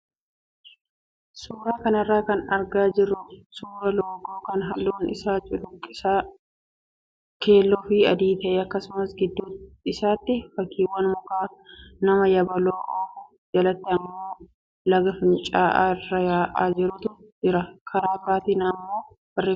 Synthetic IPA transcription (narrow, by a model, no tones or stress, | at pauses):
suːɾaːkɐnɐrːaːkɐnɐɾɡaːd͡ʒɪrːʊsuːɾɐloːɡoːkɐnɦɐlːoːnɪ̰saːt͡ʃʼʊlʊŋkʼːɪsaː | kʰe̞ːlːɔfiɐd̪iːt̪ɐʔeːɐkːɐsʊmɐsɡɪd̪ːuː | ɪsaːt̪ːɪfɐkːiːwːɐnmʊkaːnɐmɐjɐbɐloːʔoːfʊ | d͡ʒɐlɐt̪ːɛɐmːoː | lɐɡɐfɪnt͡ʃʼaːʔa̰rːɐjaːʔaːd͡ʒɪɾʊt̪ʊ | d͡ʒɪɾɐkʰɐɾaːbaːt̪iːnɐmːo̞ː | b̥ɐreː